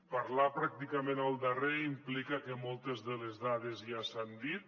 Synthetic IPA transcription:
paɾlapɾak̚t̪ikamẽnəlˠd̪əreimplikəkemɔlˠt̪ezðəlezðaðezjasand̪it̪

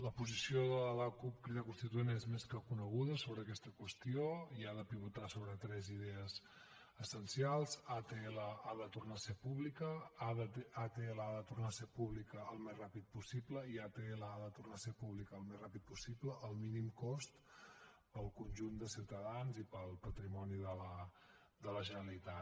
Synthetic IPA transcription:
ləpuzisioðələləkup̚kɾiðəkunst̪it̪uenezmeskəkunəɣuðəsoβɾəːkɛst̪əkwəst̪ioiaðəpiβut̪asoβɾət̪ɾɛziðɛəz | əsənsialˠzat̪eeləaðət̪urnasepuβlikəaðət̪at̪eləaðət̪urnasepuβlikəːlˠmezrapit̪̚pusipləiat̪eləaðət̪urnasepuβlikəːlˠmezrapit̪̚pusipləʔəlˠminimkɔst̪ | pəlˠkunʲʒund̪əsiwt̪əðanzipəlˠpət̪ɾimɔniðələ | d̪ələʒənəlit̪at̪

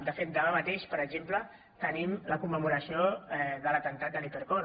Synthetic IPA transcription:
d̪əfet̪̚d̪əβamət̪eʃpəɾəɡʒemplə | t̪ənimləkumːəmuɾəsioɛðələt̪ənt̪at̪̚d̪əlipəɾko

